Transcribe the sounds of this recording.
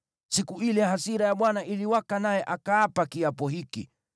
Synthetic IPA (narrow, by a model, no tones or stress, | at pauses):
sikuilɛɦasiɾajaɓwanaʔiliwakanajɛʔakaːpakiapɔɦikḭ